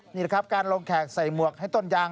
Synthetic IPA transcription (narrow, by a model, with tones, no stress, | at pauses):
nniː˧˩kʰa˦˥p̚kaː˧nlo˧ŋkʰɛː˨˩k̚sa˨˩jmu˨˩ək̚ha˥˩jt̪o˧˥˩njaː˧ŋ